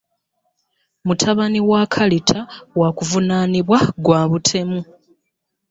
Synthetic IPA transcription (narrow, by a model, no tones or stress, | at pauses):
mutʰaβaniwaːkʰalitʰawakuvunaːniβwaɡwaːβutʰe̞mu